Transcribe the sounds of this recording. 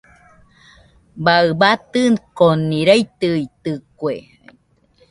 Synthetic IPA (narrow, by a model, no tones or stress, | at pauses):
baɨbat̪ɨnkoniɾəit̪ɨit̪ɨkwe